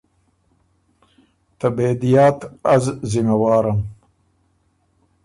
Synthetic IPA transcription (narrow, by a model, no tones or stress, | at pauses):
t̪abeːd̪ijaːt̪ɐzzimɐwaːɾɐm